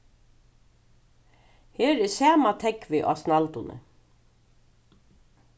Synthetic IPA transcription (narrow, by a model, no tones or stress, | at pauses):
heːɾɛsæːmat̪ʰɛkvɪʔa̰ːsnalt̪ʊnʔə̰